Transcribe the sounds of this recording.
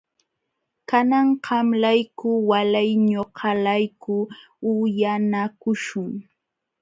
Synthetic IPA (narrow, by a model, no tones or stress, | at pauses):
kanɑɴɢɑmlajkʊwalajɲoqʰɑlajkʊ | ʊjanakʊʃʊŋ